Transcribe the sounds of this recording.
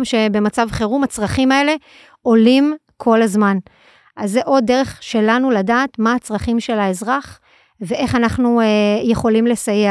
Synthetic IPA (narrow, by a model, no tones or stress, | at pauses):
mʃe̞be̞mat͡savχeʁumat͡sʁaχimae̞le̞ | o̞lim | kʰo̞lazman | ʔazːeʔo̞dːe̞ʁe̞χʃe̞lanuladaːtmaːt͡sʁaχimʃe̞laezʁaχ | ve̞ʔe̞χanaχnueje̞χo̞limle̞saje